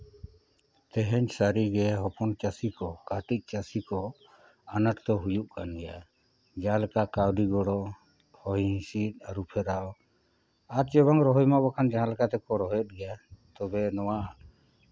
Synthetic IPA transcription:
t̪ɛɦɛɲsaɾiɡɛɦɔpɔnt͡ʃasikɔkaʈic̚ˀt͡ʃasikɔ | anaʈt̪ɔɦujuʔkanɡɛja | d͡ʒalkakawɖiɡɔɽɔ | hɔjĩsit̪̚aɾupʰɛɾaw | aɾt͡ʃɛbaŋɾɔɦɔjmabakʰand͡ʒãlkat̪ɛkɔɾɔɦjɛt̪̚ˀɡɛjat̪ɔbɛnɔwaʔa

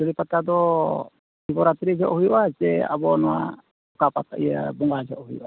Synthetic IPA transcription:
d͡ʒɔlipat̪ad̪ɔ | hibɔɾat̪ɾid͡ʒɔʔɦujuʔat͡ʃɛa̰bɔnɔa̰ | ukapat̪a̰ija̰bɔŋɡad͡ʒɔʔɦujʔa̰

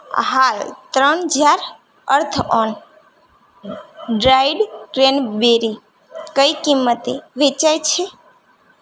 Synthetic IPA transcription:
ɦalt̪ɾənd͡ʒaɾ | əɾt̪ʰɔn | ɖɾaɪɖʈɾenbeɾi | kəikimːət̪eʋet͡ʃajt͡ʃʰe

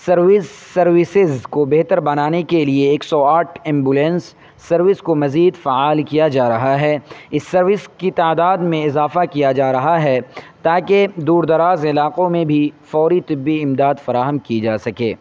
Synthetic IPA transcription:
sɐɾʋɪsːɐɾʋɪsɪzkobeɦt̪əɾbɐnaːnekelieːksɔaːʈʰɛ̃ːmbulɛ̃nsː | ɐɾʋɪskomɐziːd̪faːaːlkijad͡ʒaːɾɐɦaɦɛɪsːɐɾʋɪskit̪aːd̪aːd̪mẽɪzaːfakijad͡ʒaːɾɐɦaɦɛt̪aːked̪uːɾd̪ɐɾaːzɪlaːqõmẽbʱifɔːɾit̪ɪbːiɪmd̪aːd̪fɐɾaːɦəmkid͡ʒaːsɐkḛː

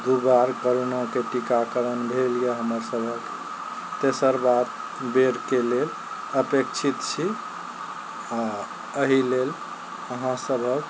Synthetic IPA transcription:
d̪ubaɾkəɾonãkeʈikakəɾənbʱelijeɦəməɾsəbʱək | t̪esəɾbat̪ | beɾkelel | əpekt͡ʃʰit̪t͡ʃʰi | a | əɦilel | əɦãsəbʱək

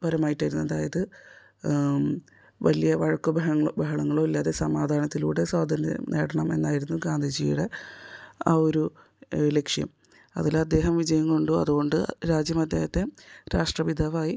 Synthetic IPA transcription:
pɐɾɐmaːjiʈːaːjiɾunːɐðaːjɐðɨ | ʋɐlijɐʋɐɻɐkːubʱɐɦɐɐbʱɐɦɐɳɐŋːɐɭoːilːaːðesɐmaːd̪ʱaːnɐt̪ːilṵːɽe̞swaːd̪ʱɐn̰nḛːɽɐɳɐme̞̰nːaːjiɾunːuɡaːnd̪ʱid͡ʑijuɽe̞ | aːo̞ɾu | le̞kʂjɐ̰m | ɐ̰ðilɐd̪ːe̞ːɦɐmʋid͡ʑɐjɐŋko̞ɳɖuɐ̰ðuɣo̞ɳɖɨɾaːd͡ʑjɐmɐd̪ːe̞ːhɐt̪ːe̞ɾaːʂʈrɐʋid̪ʱaʋaːji

